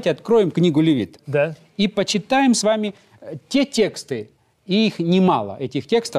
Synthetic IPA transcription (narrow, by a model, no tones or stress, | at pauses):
tʲɪɐt̪kɾo̞jɪmknʲiɡʊlʲɪvʲḭt̪d̪a | ipət͡ɕɪt̪ajɪmsvamʲɪ | tʲe̞tʲe̞kst̪ɨ | iixnʲɪma̰lˠə̰ʔɛtʲɪxtʲe̞kst̪ə